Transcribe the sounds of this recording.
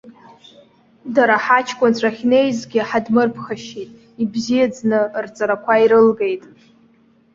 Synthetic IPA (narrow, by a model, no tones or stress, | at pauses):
daɾaħat͡ʃʰkʷʼʊnt͡ɕʷʰʼaχʲnejzɡʲɪħadmɨrpʰχaʃitʼ | ibzijad͡znɨrt͡sʼaɾakʷʰaiɾɨlɡe̞jtʼ